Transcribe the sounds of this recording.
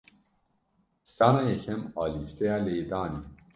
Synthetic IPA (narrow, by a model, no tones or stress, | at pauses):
sanajekʰemɔlisejaleːd̪aːni